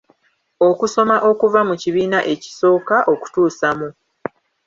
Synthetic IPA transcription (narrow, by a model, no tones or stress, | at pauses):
okuso̞maʔo̞kuvamuciβiːnaʔe̞ci̥so̞ːkaʔo̞ku̥tuːsamu